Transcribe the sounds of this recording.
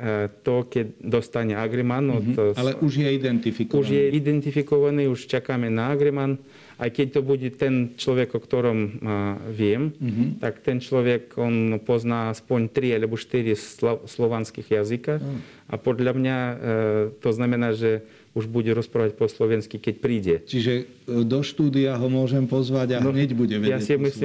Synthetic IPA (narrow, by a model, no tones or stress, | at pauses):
t̪ɔkɛtd̪ost̪aɲɛaɡɾɛmanɔlɛuʒjɛid̪ɛnt̪ifikuʒjɛid̪ɛnt̪ifikɔʋaniuʃt͡ʃakamɛnaaɡɾɛman | ʔajkɛc̚ʲt̪ɔbuɟɛt̪ɛnt͡ʃlɔʋɛkɔkt̪ɔɾɔm | ʋjɛmt̪akt̪ɛnt͡ʃlɔʋɛkɔnpɔznaːaspɔɲt̪ɾialɛbɔʃt̪iɾisslɔʋanskiɣjazika | a̰pɔd̪lamɲa | t̪ɔznamɛnaːʒɛ | uʒbuɟɛɾɔspɾaːʋac̚ʲpɔslɔʋɛnskikɛc̚pɾiːɟɛt͡ʃiʒɛ | d̪ɔʃt̪uːd̪iaɦɔmʊɔʒɛmpɔzʋaɟanɔɲɛɟbuɟɛʋɛjasimisli